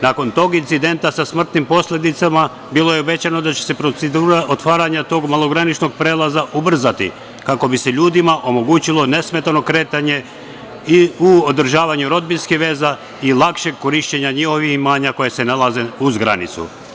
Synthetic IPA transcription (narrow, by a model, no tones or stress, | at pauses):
naːko̞nt̪o̞ːɡint̪sid̪e̞nt̪asasmr̩t̪nimpo̞slʲe̞d̪it̪sama | bilo̞jeobe̞t͡ɕano̞d̪at͡ɕese̞pɾoed̪uːɾaʔot̪ʋaːɾaɲat̪o̞ːɡmalˠo̞ɡɾanit͡ʃno̞ɡ̚pɾeːlˠazaʔubr̩zat̪ḭ | kako̞biseʎuːd̪imaʔo̞mo̞ɡuːt͡ɕilˠo̞ne̞sme̞t̪ano̞kɾe̞ːt̪aɲe̞ | iuod̪r̩ʒaːʋaɲuɾo̞d̪̚binskiʋe̞ːza | ilˠakʃe̞ɡ̚ko̞ɾiʃt͡ɕeɲaɲiho̞ʋiximaːɲako̞jese̞nalˠaze̞uzɡɾa̰nḭt̪sṵ